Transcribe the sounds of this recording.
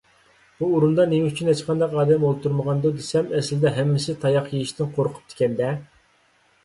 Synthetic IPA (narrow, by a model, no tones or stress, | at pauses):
buːɾund̪ɑnemɛyt͡ʃʰynhet͡ʃqʰɑnd̪ɑqɑːd̪ɛmolˠt̪ʰuɾməʁɑnd̪ud̪esɛmɛslɪd̪ɛɦɛmːɪsɪt̪ʰɑjɑqjejiʃt̪ɪnqʰoɾqʰʊ̥p̚t̪ʰɪ̥kʲɛnd̪ɛ